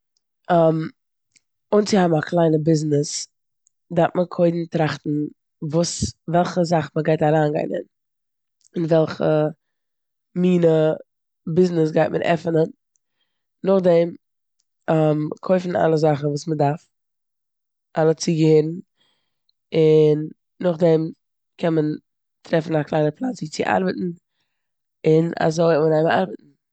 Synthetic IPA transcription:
am | ʊnt͡sɪhabmakʰlˠaɪnəbɪznɪs | daɾtməkʰoɪdn̩tɾaχtn̩ | vuːsvɛlˠχəzaχməɡaɪtaɾaːnɡa̰ɪnə̰n | ɪnvɛlˠχə̰ | miːnə | bɪznɪs̬ɡaɪtmʔə̰ɾʔɛ̰fənən | nʊχdɛm | amkʰoɪfn̩a̰lˠəzaχn̩vuːsmədaɾf | ʔalˠət͡siɡəhɪɾn̩ | ɪnː | ʊχdɛm | kʰɛnmən | tɾɛfn̩aklˠaɪnəɾpʰlˠat͡siːt͡sɪ̰ʔa̰ɾbətn̩ | ɪna̰zoɪmənaɪma̰ɾbətn̩

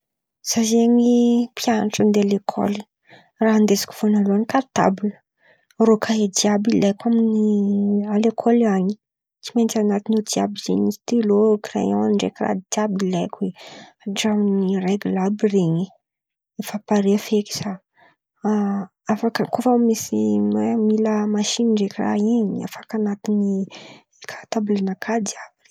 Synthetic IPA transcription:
z̥azeɲipʰjanaʈ͡ʂənd̪ealekʰo̰li̥ | raɦand̪ezḁkʲu̥fonaloanikat̪a̰bulə̥ | rokʰaed̪iabilajkʷaminialekʰoliaɲi | t͡siment͡sanat̪inod̪ia̰bizḛɲii̥t̪ilokirḛɲawanɳɖ͡ʐḛkira̰d̪iabilajkweaɖ͡ʐamnireɡulabireɲi | ifapaɾefeki̥sa | afakəkofamisiemiləmaʃiniɳɖ͡ʐekira̰ɦiɲa̰fakanat̪ini | kʰḁt̪abulanakʰad̪iabir

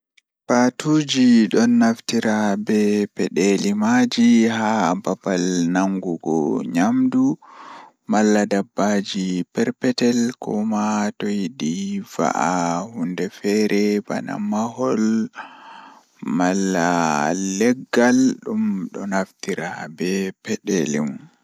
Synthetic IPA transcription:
patud͡ʒiɗɔnːaftiɾabɛpɛɗɛlimad͡ʒiɦababalnaŋɡuɡɔ̰ɲamdu | malːadabːad͡ʒipɛɾpɛtɛlkɔmatɔjidiva̰ʔahundɛfɛɾɛba̰na̰maɦɔl | malːalɛɡːalɗumɗɔnaftiɾabɛpɛɗelimun

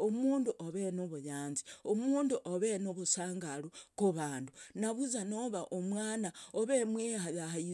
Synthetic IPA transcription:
omuːnduʔoβenoβujaːnziomuːnduʔoβenoβusaːŋɡalukuβaːndunaβuzanoβaʔomwaːnaoβemwehajahai

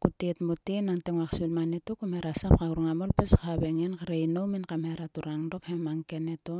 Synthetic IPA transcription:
kutetmutenaŋteŋwakselmanetokumheɾasap̚kaɡuɾuŋamolpeskaβeŋenkaɾeinowminkamheɾatuɾaŋdo̞khemaŋkeneto

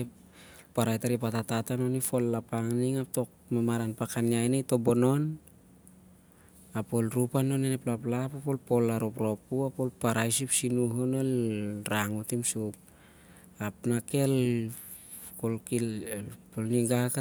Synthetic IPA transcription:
paɾajtaɾipatatatano̞nifo̞lːapaŋniŋap̚to̞k̚ | mamaɾanpakaniajnejto̞bono̞n | apo̞lɾupano̞neneplap̬lapapolpo̞laɾopɾo̞puapolpaɾajsipsinuɦonelɾaŋutimsup̚ | apnake̞l | kolkilpolniɡaka

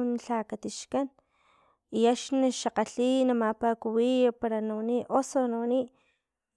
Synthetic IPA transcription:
nɬakat̪iʃkan | iaʃnaʃaqaɬinamapakuwijapaɾanawaniʔʔosonawaniʔ

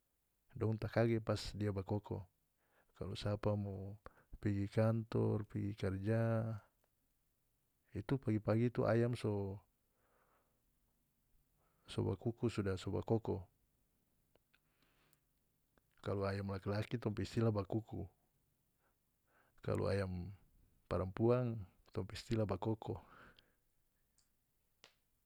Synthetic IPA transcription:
dɔŋt̪akaɡɛpasdiabakɔkɔ̰ | kalɔsapamɔ | piɡikant̪ɔrpiɡikard͡ʒa | it̪upaɡipaɡit̪uʔa̰jamsɔ | sɔ̰ba̰kukusudasɔba̰kɔkɔ | kaluajamlakilakit̪ɔmpɛist̪ilabakuku | ka̰lṵa̰jam | paɾampuaŋ | t̪ɔmpɛist̪ilabakɔkɔ

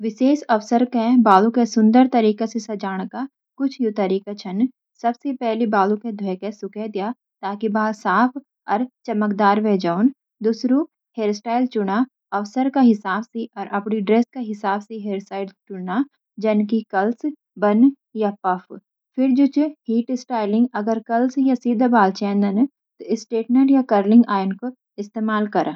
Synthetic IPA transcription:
ʋɪʃeːʃɐʋsəɾkẽbaːlukesʊ̃nd̪əɾt̪ɐɾiːkasesɐd͡ʒaːɽ̃ka | kʊt͡ʃʰjot̪ɐɾiːkat͡ʃʰɐn | sɐbsepɛɦlibaːluked̪ʱɔɛkesʊkɛd̪ijaː | t̪aːkibaːlsaːpʰ | ɔɾt͡ʃɐməkd̪aːɾʋeːd͡ʒaːʊn | d̪ʊsɾu | heːɾsʈaːɪlt͡ʃʊɽ̃a | ɐʋsəɾkaɦɪsaːbseʔɔːɾʔɐpniɖɾeːskaɦɪsaːbseɦeːɾsaːɪɖt͡ʃʊɽna | d͡ʒɐnkikɐls | bɐn | japɐf | fʰɪɾd͡ʒʊt͡ʃhiːʈɪsʈaːɪlɪ̃ŋɡɐɡəɾkɐlsjasiːd̪ʱabaːlt͡ʃɛ̃ːnd̪ən | t̪oɪsʈeːʈnəɖjakɐɾlɪ̃ŋɡaːjnko | ɪst̪eːmaːlkɐɾ

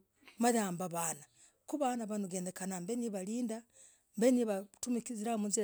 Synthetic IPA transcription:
maðaːmbaβaːna | kuβanaβanuɡeːndekanambeniβaliːnda | mbeniβatumikiziɾaomunziɾ

